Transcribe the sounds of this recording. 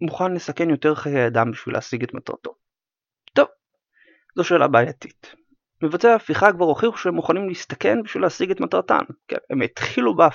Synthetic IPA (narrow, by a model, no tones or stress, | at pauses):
muχanle̞sake̞njo̞te̞ʁaχekajad̪ambiʃvḭlʔḛːsiɡetmat̪ʁa̰to̞̰ | t̪o̞v | zo̞ʃeːla̰beːjati̥t | mevat͡seaːfiχakvaʁoχiχuʃeemuχanimliist̪ake̞nbiʃvileːsiɡetmatʁata̰nkḛnemet̪χiluba